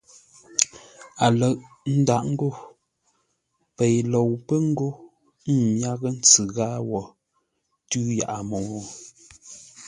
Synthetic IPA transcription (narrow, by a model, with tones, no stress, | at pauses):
a˨lə˨ʔ | n̩˦da˦˨ʔŋ̩˦ɡo˦˨ | pe˨jlo˨wpə˦ŋ̩˦ɡo˦ | m̩˦˨mja˦ɣə˦n̩˦t͡sɨ˨ɣaː˦wɔ˨ | tʉː˦ja̰˨ʔa˨mo˨wɔ˦